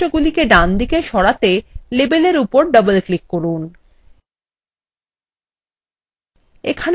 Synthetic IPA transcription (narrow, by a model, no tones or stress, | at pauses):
oɡulikeɖand̪ʱikeʃɔɽat̪elebeleɾupoɾɖʌbəlklikːoɾun | ḛkʰan